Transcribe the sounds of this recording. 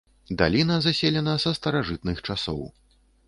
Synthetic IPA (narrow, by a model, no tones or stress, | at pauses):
d̪a̰lʲinɐzasʲelʲɛnɐsɐst̪ɐɾaʐɨt̪̚nɨxt͡ʂasɔ̰w